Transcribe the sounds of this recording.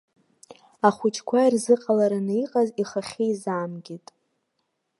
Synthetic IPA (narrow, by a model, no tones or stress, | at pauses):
aχʷʊt͡ʃʼʰkʷʰairzɨqʼalaɾanaiqʼaziχaχʲejzaːmɡʲitʼ